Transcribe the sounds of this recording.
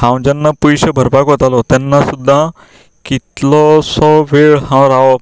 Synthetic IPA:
hãw̃d͡ʑanːapujɕəbʱəɾpakɦɔt̪alɔt̪janːasud̪ʱːa | kit̪lɔsɔʋeɭɦãwɾaʋɔ

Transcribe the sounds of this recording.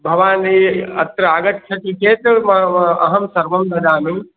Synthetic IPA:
bʱɐʋaːniɐ̰t̪ɾɐaːɡɐt̪t͡ʃʰɐʈikeːt̪ɐmɐɐɦɐmsɐɾʋɐmd̪ʱɐd̪aːmi

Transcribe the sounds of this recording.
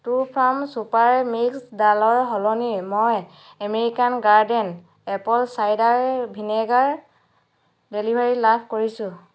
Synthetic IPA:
tupʰɹamsupaɹmiksdalɔɹɦɔlɔnimɔj | ameɹikanɡaɹdɛn | ɛpɔlsajdaɹbʱinɛɡaɹ | delibʱaɹilabʰʱkoɹisʊ̃

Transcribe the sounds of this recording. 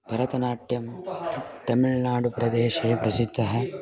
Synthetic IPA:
bʱɐɾɐt̪ɐnaːʈjɐm | t̪ɐmiɭnaːɽupɾɐd̪eːʃeːpɾɐsid̪ʱːɐɦɐ

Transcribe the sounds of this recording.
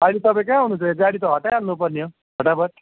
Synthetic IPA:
ʌlet̪ʌpaĩkãɦunũːnt͡sʰʌed͡zaɽit̪ʌɦʌʈajalnupʌrnijo | bʌʈabʌɾ

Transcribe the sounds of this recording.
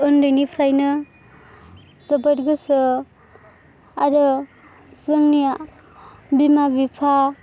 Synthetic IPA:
ɯnɾɯjnipʰɾajnɯ | zɯbəɾɡɯsɯ | aɾɯ | zɯŋnija | bimabipʰa

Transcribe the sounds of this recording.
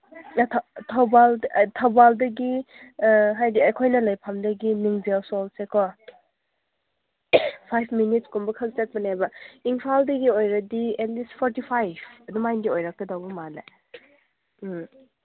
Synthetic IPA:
tʰtʰawbaldtʰawbaldɐɡi | ɦajdiɐjkʰojnɐlɐjpʰamdɐɡiniŋzawsɔlsekʰɔ | pʰajpʰminit̚skumbɐkʰɐk̚zat̚bɐnajbɐiŋpʰaldɐɡiojɾɐdienlispʰɔɾtipʰajbʰɐdumajndiojɾak̚tɐdawbɐmala̰

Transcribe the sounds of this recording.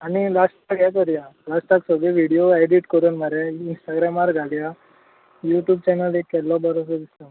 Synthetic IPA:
anilasʈaɡɛkəɾjalasʈaksəɡeʋiɽijoajɖiʈkəɾuːnmaɾeinsʈaɡɾamaɾɡʱaɽja | juʈjuːb̚t͡ɕɛnəlekːɛlːɔbaɾɔs̬ɔd̪islɔ

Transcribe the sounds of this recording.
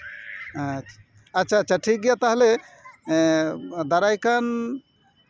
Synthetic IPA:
ətːʃʰaːtːʃʰaʈʰik̚ɡjat̪əɦle | d̪əɾajkən

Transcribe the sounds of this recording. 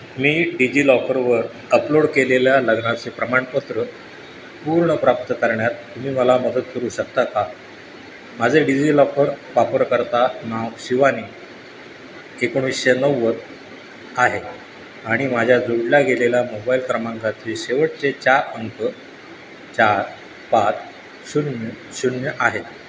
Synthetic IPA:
miːɖid͡ʑiːlɔkəɾʋəɾ | əploɽkeleljaləɡnat͡sepɾəmaɳpət̪ɾə | puːɾɳəpɾap̚t̪əkəɾɳjat̪ːum̤iːməlaməd̪ət̪kəɾuːɕək̚t̪aka | mad͡zʱeɖid͡ʑiːlɔkəɾʋapəɾkəɾt̪anawɕiʋaniː | ekəɽ̃isɕenəʋːət̪ | aɦe | aɽ̃imad͡ʑʱjad͡zoɽlaɡeleljamobailkɾəmãŋɡat̪ʰiːɕeʋəʈ̚t͡set͡ɕaɾənt̪ə | t͡ɕaɾ | pat͡s | ɕunə | ɕuɳjəʔaɦe

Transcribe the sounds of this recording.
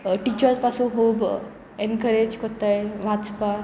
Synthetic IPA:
ʈit͡ɕəɾspasũɦob | enkəɾed͡ʑkɔt̪ajʋãt͡spa

